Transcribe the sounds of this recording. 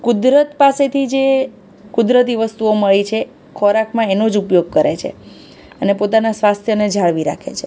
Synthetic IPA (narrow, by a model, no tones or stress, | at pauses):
kud̪ɾət̪paset̪ʰid͡ʒe | kud̪ɾət̪̬iʋəst̪uoməɭit͡ʃʰe | kʰɔɾakʰmãenod͡ʒupjoɡ̚kəɾet͡ʃʰḛ | ənepot̪anasʋast̪ʰjəned͡ʒʱaɭʋiɾa̰kʰḛt͡ʃʰe